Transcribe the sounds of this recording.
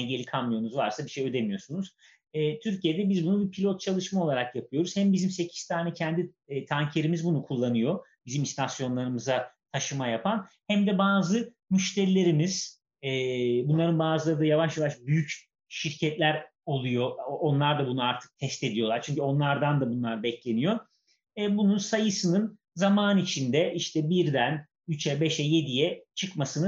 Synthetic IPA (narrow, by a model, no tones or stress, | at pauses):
ɛɟe̞lʲikʰanmɯjonuzvaɾsabiʃejø̞d̪emijo̞sunuz̥ | ɛːt̪ʰyɾcʰije̞d̪ɛbizbunubipʰilʲo̞t̪̚t͡ʃʰalˠɯʃmao̞lˠaɾakjapʰɯjo̞ɾuz̥hæmbizimse̞cʰi̥st̪ʰaːnɛcʰɛnd̪i | t̪ʰaɲcʰe̞ɾimizbunukʰulˠːanɯjo̞bizimist̪ʰasjo̞nlˠaɾɯmɯzat̪ʰaʃɯmajapʰanhæmd̪ɛbaːzɯ | myʃt̪ʰeɾilʲe̞ɾimiz̥ | ɛːbunlˠaɾɯnbaːzɯlˠaɾɯd̪ajavaʃjavaʃbyjyc | ʃiɾcʰɛt̪lʲæɾ | o̞lˠujo̞ːnlˠaɾd̪abunuaɾt̪ʰɯ̥k̚t̪ʰɛst̪e̞d̪ijo̞lˠaɾt͡ʃʰyɲcyo̞nlˠaɾd̪and̪abunlˠaɾbɛclʲe̞nijo̞ | ɛbununsajɯsɯnɯn | zamaːnit͡ʃʰind̪ɛʔiʃt̪ʰɛbiɾd̪æn | yt͡ʃɛbɛʃɛje̞d̪ijɛt͡ʃʰɯkmasɯnɯ